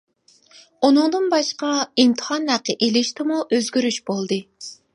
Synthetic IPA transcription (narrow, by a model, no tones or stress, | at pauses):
unɨŋd̪ɨnbɑʃqɑimt̪ʰɨ̥hɑnhæqːəʔelɪʃt̪ɪmuʔøzɡʲyɾyʃbolˠd̪ɨ